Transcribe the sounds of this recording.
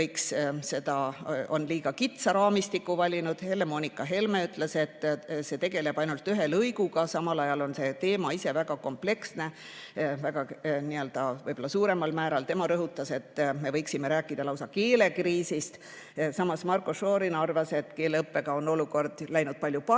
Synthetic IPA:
ɤjksse̞d̪̥ɑo̞nliːɡ̥ɑkit̪sɑɾɑːmist̪ikːˑuvɑlʲinud̪̥hele̞mo̞nʲikːˑɑɦe̞lmeyt̪ːˑle̞se̞t̪ːse̞t̪e̞ɡ̥e̞le̞b̥ɑjnult̪ːyɦe̞lɤjɡ̥uɡɑsɑmɑlɑjɑlo̞nse̞t̪e̞ːmɑise̞væɡ̥ɑko̞mple̞ksne̞ | væɡ̥ɑniø̞ld̪̥ɑvɤjbo̞lːɑsuːɾe̞mɑlmæːɾɑlt̪e̞mɑɾɤɦut̪ːˑɑse̞t̪ːme̞vɤjksime̞ɾæːkːˑid̪̥ɑlɑwsɑke̞ːle̞kriːsist̪ | sɑmɑsmɑrkoʃo̞ːɾinɑrvɑse̞t̪ːke̞ːleɤpːe̞ɡ̥ɑo̞no̞luko̞rd̪̥læjnud̪̥̚pɑlʲjupɑ

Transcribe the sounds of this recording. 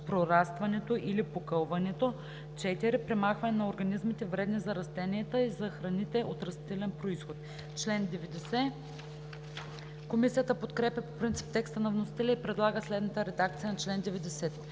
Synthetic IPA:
pɾoɾast̪vɐnɛt̪oʔilipokɤlˠvɐnɛt̪o | t͡ʃɛt̪iɾɛpɾɛmaxvɐnɛnɐoɾɡɐnizmit̪ɛvɾɛd̪nizɐɾɐst̪ɛniɛt̪əizɐxɾɐnit̪ɛʔot̪ɾɐst̪it̪ɛlɛnpɾoisxot̪ | t͡ʃlɛnd̪ɛvɛd̪ɛsɛ | komisijət̪əpot̪kɾɛpʲjɐpopɾint̪si̥p̚t̪ɛkst̪ənɐvnosi̥t̪ɛlʲɛipɾɛd̪lˠaɡəslɛd̪nət̪əɾɛd̪ak̚t̪sijənɐt͡ʃlɛnd̪ɛvɛd̪ɛsɛt̪

